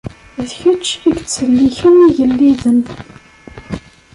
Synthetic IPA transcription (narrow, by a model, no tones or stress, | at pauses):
ðçət͡ʃːiɡt͡sːəlːiçəmiʝəlːiðən